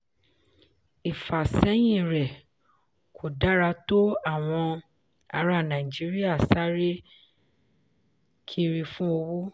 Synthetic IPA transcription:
i˨fa˨sɛ˨˦j̃ĩ˦˨ɾɛ˨ | kʰo˨da˦ɾa˧to˦a˦˨w̃ɔ̃˧ | a˧ɾa˦˨nã˨i˨d͡ʒi˦ɾi˦a˦˨sa˦ɾe˦ | kʰi˦ɾi˧fũ˦o˧wu˦

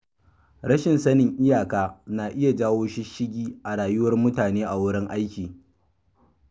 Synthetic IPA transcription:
ɽɐ˦ʃɪ˨nsɐ˦nɪ˨ŋʔɪ˦jaː˨kaː˦na˨ʔɪ˦ja˨d͡ʒaː˦woː˦ʃi˦ʃɪ˦ɡʲiː˦ʔa˨ɽaː˨jʊ˦wɐ˦rmʊ˦taː˨neː˦ʔa˨wʊ˦ɽɪ˦ŋʔa˦jkʲiː˨

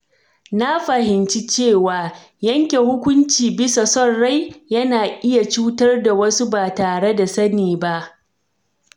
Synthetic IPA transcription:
na˦ɸɐ˨hɪ˨nt͡ʃi˦t͡ʃeː˦˨waː˨ | jɐ˦ŋkʲe˨hʊ˦kʷʊ˦nt͡ʃiː˨bɪ˦sa˨sɔ˦˨ɽa˦jjɐ˦naː˨ʔɪ˦ja˨t͡ʃuː˦tɐ˦rda˨wɐ˦su˦baː˨taː˨ɽe˦da˨sɐ˦niː˨ba˦ʔ

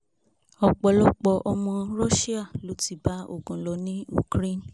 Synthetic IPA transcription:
ɔ˧k͡pɔ˧lɔ˦k͡pɔ˧ʔɔ˧mɔ̃˧ɾɔ˦ʃi˦a˦˨lo˨˦ti˦˨ba˨˦o̰˦˨ɡũ˨lɔ˨˧nĩ˦ṵ˨kɾe˦˨n˨

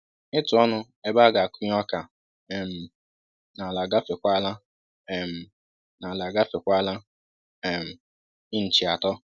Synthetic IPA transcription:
ɪ˦tʊ˨ɔ˦nʊ˦ | e˦ba˦ɡa˨kʊ˦ɲ˦ɔ˦ka˨ | ɛ˨m̩˨ | na˨la˨ɡa˦fe˨kʷa˦la˦ | ɛ˨m̩˨ | na˨la˨ɡa˦fe˨kʷa˦la˦ | ɛ˨m̩˨ | ɪ˦n̩˨t͡ʃi˨a˨tɔ˦

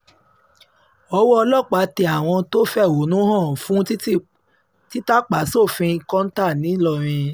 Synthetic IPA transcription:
ɔ˦wɔ˦ɔ˧lɔ˦˨k͡pa˨˦te˧a˨w̃ɔ̃˧to˦fɛ˦˨o˨˦nũ˦ɦã˦˨fũ˦ | ti˦ta˦k͡pa˨˦so˦˨fĩ˧ĩ˧kɔ̃˦n̩˦ta˦˨nĩ˨˦lɔ˦˨ɾ̃ĩ˧

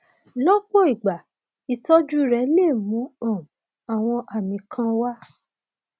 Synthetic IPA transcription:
lɔ˦k͡pɔ˦i˨ɡ͡ba˨ | i˨tɔ˦d͡ʒu˦ɾɛ˨˦leː˦˨mũ˨˦ɔ̃˦˨ | a˨w̃ɔ̃˧ʔa˨nĩ˨kʰã˧wa˦

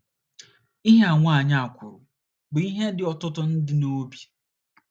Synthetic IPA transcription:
i˦ɦe˦a˨ŋʷa˦a˨ɲa˨a˨kʷʊ˨ɾʊ˨ | ɡ͡bi˦ɦe˦dɪ˨ɔ˨tʊ˦tʊ˦n̩˦dɪ˦no˦bje˨

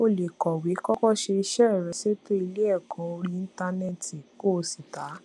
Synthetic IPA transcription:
o˦˨le˨kɔ˨wi˨˦kɔ˦kɔ˦˨ʃe˧i˧ʃɛ˦˨ɾɛ˧se˦to˦i˧le˦ɛ˦˨kʰɔ̃˨˧˦o˧ɾi˧ĩ˦ta˧nɛ˦˨ti˨ko˦˧˨si˨ta˨˦

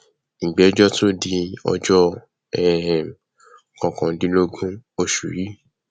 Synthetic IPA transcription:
ɡ͡bɛ˨˦d͡ʒɔ˦to˦di˧˦ɔ̰˧d͡ʒɔ˦ | ɛ˦˨ | kɔ̃˨kɔ̃˨˦dĩ˨˦lo˦ɡũ˦o˦˨ʃu˨ɾi˨˦

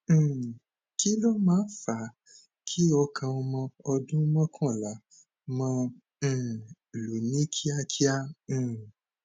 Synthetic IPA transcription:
ki˦lɔ˦mãː˨˦fa˨˦ | kʰi˦ɔ˧kʰã˧ɔ˧mɔ̃˧ɔ˧dũ˦mɔ̃˦kʰɔ̃˦˨la˨˦ | mã˧˨ | lu˨nĩ˦kʰi˦a˦ki˦ã˦˨

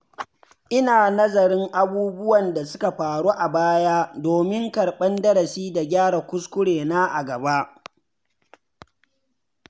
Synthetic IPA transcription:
ʔɪ˦naː˨nɐ˦zɐ˨ɾɪ˦ŋʔa˦buː˦bʊ˦wɐ˨nda˨sʊ˦ka˨ɸaː˨ɽuː˦ʔa˨baː˦jaː˦doː˨mɪ˦ŋkɐ˨ɽɓɐ˦ndɐ˦ɾɐ˨siː˦da˨ɡʲaː˦ɽa˨kʷʊ˦skʷʊ˦ɽeː˨naː˦ʔa˨ɡɐ˨ba˦ʔ

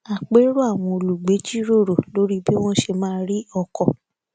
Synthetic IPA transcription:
a˨k͡pe˨˦ɾo˦a˦˨w̃ɔ̃˧o˧lu˨ɡ͡be˨˦d͡ʒi˦ɾo˦˨ɾo˨lo˨˦ɾi˦bi˦w̃ɔ̃˦ʃe˧mãː˦˧˦ɾi˦ɔ˧kɔ˨

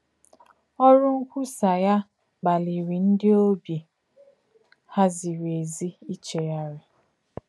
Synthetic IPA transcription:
ɔ˦ɾʊ˦ŋ̩˦kʷu˦sa˨ja˦ | ɡ͡ba˨li˨ɾi˨n̩˦dɪ˦o˦bi˨ | ha˦zi˨ɾe˨zi˦i˦t͡ʃe˨ja˦ɾɪ˦

